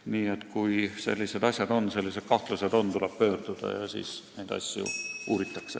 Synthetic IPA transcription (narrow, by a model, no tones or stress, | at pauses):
niːe̞t̪kujse̞̰lʲːise̞d̪̥ɑsʲjɑd̪o̞nse̞lʲːise̞d̪̥kɑht̪lused̪̥o̞nt̪uleb̥̚pø̞ːrd̪̥ud̪̥ɑ̰jɑsḭːsne̞jd̪̥ɑ̰sʲjṵuːɾit̪ːˑɑkse̞